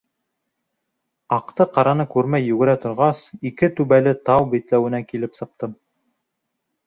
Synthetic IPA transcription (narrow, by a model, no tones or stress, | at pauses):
ɑqt̪ɤqɑɾɑnɤkʉɾmæjːɵɡɘ̆ɾæt̪ŏɾʁɑsikɘt̪ʉβælɘt̪ɑwbit̪læwɘ̆nækilɘpsɤ̆q̚t̪ɤm